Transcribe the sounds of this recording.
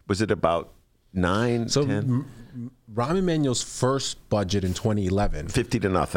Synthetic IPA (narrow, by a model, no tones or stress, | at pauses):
wʌzɨɾɨbaʊt̚ | nãɪ̃nsoʊɛ̃n | ɹɑmɨ̃nmæ̃njl̩ˠz̥fɜ˞sb̥ʌd͡ʒɨɾɨ̃ntʰw̥ɛ̃ɾ̃iɨlɛvɨ̰̃nfɪftiɾɨnʌ̰θ